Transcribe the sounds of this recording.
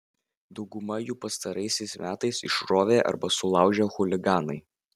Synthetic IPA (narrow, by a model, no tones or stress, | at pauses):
d̪ɒʊɡʊmɐjuːpɐst̪ɐɾɐɪsʲɛɪsmʲæːt̪ɐɪsɪ̰ʃɾoːʋʲeːʔɐ̰ɾbɐsʊlˠɑˑʊʒʲɛxʊlʲɪɡɑːnɐɪ